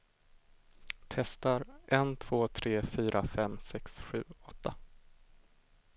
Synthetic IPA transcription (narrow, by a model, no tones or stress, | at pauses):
t̪ʰɛst̪aɾʔɛnt̪ʰv̥oːt̪ʰɾeːfyːɾʔafɛmːsɛksɧʉ̟ːɔt̪ʰːa